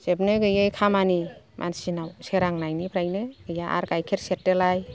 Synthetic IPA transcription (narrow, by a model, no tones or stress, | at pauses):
sep̚neɡɯjejkʰamani | mʔa̰nsinawseɾaŋnajnipʰɾajneɡ̥ɯjaʔa̰ɾkajkʰeɾsetːelaj